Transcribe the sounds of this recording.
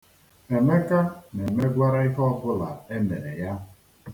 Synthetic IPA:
e˨me˦ka˦ne˨me˦ɡʷa˦ɾa˦i˦kɔ˦kʊ˦la˨e˦me˨ɾe˨ja˦

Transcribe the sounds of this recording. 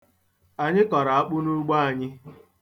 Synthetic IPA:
a˨ɲɪ˦kɔ˨ɾa˨a˦k͡pʊ˦nu˦ɡ͡ba˦a˨ɲɪ˦

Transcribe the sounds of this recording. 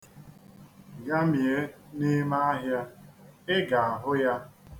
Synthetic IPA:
ɡa˦mje˦ne˦ma˦a˦ɦja˦ɪ˦ɡa˨a˨ɦʊ˦ja˦

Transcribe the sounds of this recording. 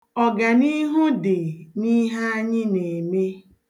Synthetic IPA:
ɔ˨ɡa˨ni˦ɦʊ˦dɪ˨ni˦ɦa˦a˦ɲɪ˦ne˨me˦

